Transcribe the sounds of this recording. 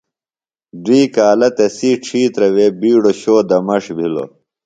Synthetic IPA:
d̪iːkaːlɐt̪ɐsiːʈ͡ʂʰiːt̪ɾɐwebiːɽoɕoːd̪ɐmɐʂbʱilo̰

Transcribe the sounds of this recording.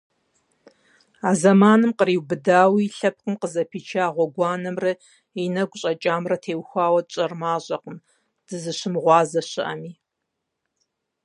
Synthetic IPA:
aːzɐmaːnɨmqəɾiːwbɨdaːwiɬɐp̚qəmqəzɐpʰiːt͡ʃʰaːʁʷɔɡʷɑːnɐmrɐ | inɐɡʷʊɕʼɐt͡ʃʼaːmrɐtʰeːwxʷaːwɐt͡ʃʼɐrmaːʑʼɐqəm | d̥ɨzɨɕɪmʁʷɑːzɐɕɪʔɐ̰miː

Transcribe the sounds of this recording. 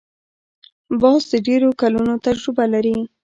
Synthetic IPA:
bɑsd̪əɖeɾokalunot̪ad͡ʒɾʊbalaɾi

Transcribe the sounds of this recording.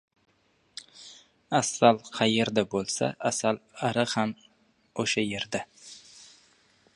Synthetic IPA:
asalˠqʰɑjeɾd̪abolˠsa̰ʔasalaɾɪham | oʃaje̞ɾd̪a

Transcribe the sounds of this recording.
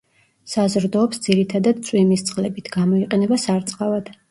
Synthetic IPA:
sazɾd̪ɔːpsd̪ziɾit̪ʰad̪ad̪t̪sʼwimist̪sʼlɛbit̪ʰɡamɔiqʼɛnɛbasaɾt̪sʼqʼavad̪̥

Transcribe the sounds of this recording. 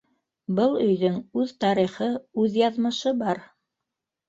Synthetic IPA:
bɤlˠɵ̆jðɵŋʉðt̪ɑɾiχɤʉðjɑðmɤ̆ʃɤbɑɾ

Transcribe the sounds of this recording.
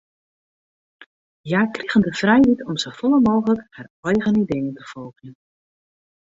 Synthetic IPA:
jaːkriɣəndəfrɛjitʰɔmsofɔlˠəmoːɣələkharɔjɣənidejəntəfolˠɣjən

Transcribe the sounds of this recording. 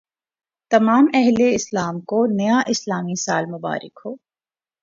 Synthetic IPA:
t̪ɐmaːmɛɦleɪslaːmkonɐjaʔɪslaːmisaːlmʊba̰ːɾɪ̰khoː

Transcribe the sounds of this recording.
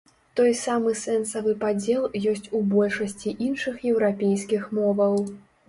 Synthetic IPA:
t̪ɔjsamɨsɛnsɐvɨpad͡zʲɛlˠjɔsʲt͡sʲubɔlʲʂɐsʲt͡sʲiʔinʂɨxjɛwɾapʲejskʲixmɔvɐw

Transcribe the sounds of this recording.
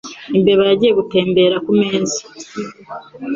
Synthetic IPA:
imbeβaɾaɟije̞ɡute̞ːmbe̞ːɾakume̞ːzi̥

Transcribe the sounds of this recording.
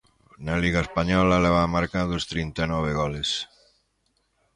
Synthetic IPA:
naliɣaespaɲɔlalɛβamaɾkaðost̪ɾint̪anɔβ̞eɣɔles

